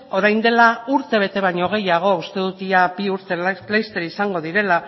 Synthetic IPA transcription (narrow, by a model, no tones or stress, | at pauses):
o̞ɾajnd̪e̞lauɾt̪e̞βe̞t̪e̞β̞aɲo̞ɣ̞e̞jaɣ̞o̞ust̪e̞ðut̪iabiuɾt̪elajst̪e̞ɾisaŋɡo̞ð̞iɾe̞la